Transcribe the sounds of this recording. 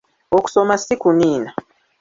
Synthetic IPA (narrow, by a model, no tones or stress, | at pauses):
oku̥somasikuniːna